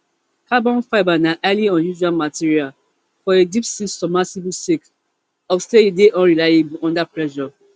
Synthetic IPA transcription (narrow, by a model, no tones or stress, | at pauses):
kʰabɔ̃nfaɪbanaʔaliɔ̃njuʒualmatiɹial | fɔedipsisɔmasibsek | ɔfsteedeʔɔ̃nɹilaɪebuɔ̃ndapɹɛʃɔ